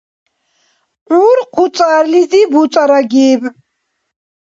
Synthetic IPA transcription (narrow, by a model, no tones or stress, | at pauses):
ʔuɾqʰut͡sʼaɾlizibutt͡sʼaɾaɡib